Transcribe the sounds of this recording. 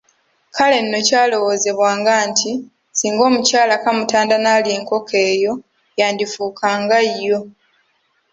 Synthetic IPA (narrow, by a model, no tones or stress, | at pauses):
kʰale̞nːo̞caːlo̞wo̞ːze̞βwaːŋɡaːntʰi | siːŋɡo̞ːmucaːlakamutaːndanaːlje̞ːŋko̞kʰe̞ːjo̞ | jaːndifuːkʰaːŋɡajːo̞